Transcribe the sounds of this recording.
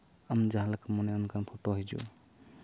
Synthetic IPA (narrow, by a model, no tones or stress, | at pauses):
amd͡ʒaɦalakamɔnajɔnkanpʰoʈoɦɔjd͡ʒṵ